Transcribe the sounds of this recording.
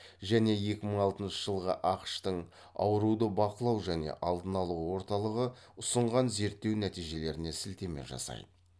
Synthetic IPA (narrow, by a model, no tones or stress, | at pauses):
ʒæne̞je̞kʲɪməɴɑlˠt̪ənʃəʒəlˠʁə̰ʔɑqə̥ʃt̪əɴ | ɑ̰wəɾud̪əbɑqəlˠɑwʒæne̞̰ʔɑlˠd̪ənɑlˠuwwo̞ɾt̪ɑlˠəʁəʊsəɴʁɑnze̞ɾt̪ːe̞wnæt̪ijʒe̞le̞ɾɪne̞sɪlt̪e̞me̞̰ʒɑ̰sɑ̰jd̪ə